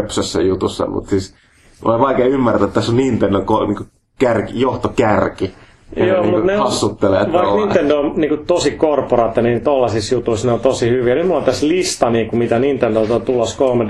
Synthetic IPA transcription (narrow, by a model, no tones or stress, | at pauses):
psøsːæ̰jut̪usːɑ̰mṵt̪sis | o̰iʋɑikeːymːært̪æt̪t̪ːæsːonnint̪endokoniŋko | kærkijoht̪okærki | ejoːniŋmuneɑsːut̪ːeleeʋɑikninendoniːŋkut̪osikorporɑt̪ːɑnit̪olːɑsisjut̪uisneont̪osihyʋinyt̪mulːɑpit̪æslist̪ɑniːkumit̪ænint̪endot̪ot̪uloskolme